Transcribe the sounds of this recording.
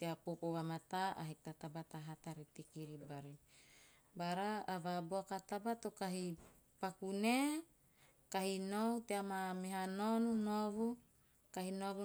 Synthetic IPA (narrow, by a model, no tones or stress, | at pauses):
t̪eapopowamat̪aʔaɦek̚t̪at̪abat̪aɦat̪aɾit̪ikiɾibaɾi | baɾaːvaboakat̪abat̪okaɦi | pakune | kaɦinowt̪eamameɦanonunovu | kahinoɡ